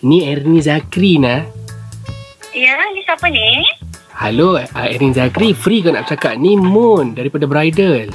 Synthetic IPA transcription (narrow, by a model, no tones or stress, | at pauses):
niɛɾnĩzakɾinah | ijanisapəni | haloaɛɾnizakɾifɾikana̰ʔbət͡ʃakaʔ̚nimʊndaɾipadabɾajdəl